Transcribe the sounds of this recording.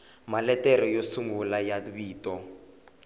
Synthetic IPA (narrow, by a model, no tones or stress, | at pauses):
malɛtɛɾɔjosuŋɡulajaβiːtɔ